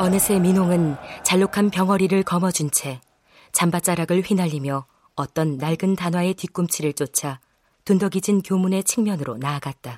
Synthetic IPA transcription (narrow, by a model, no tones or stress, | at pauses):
ʌnɯsʰe̞minoŋɯnt͡ɕaɭːokʰanpjʌŋʌɾiɾɯɭkʌmʌd͡ʑunt͡ɕʰe̞ | t͡ɕambat͡ɕ͈aɾaɡɯɭɸɥinaʎːimjʌ | ʌt͈ʌnːaɭɡɯntanwae̞tik͈umt͡ɕʰiɾɯɭt͡ɕ͈ot͡ɕʰa | tundʌɡid͡ʑinkjomune̞t͡ɕʰiŋmjʌnɯɾonaːɡat̚t͈a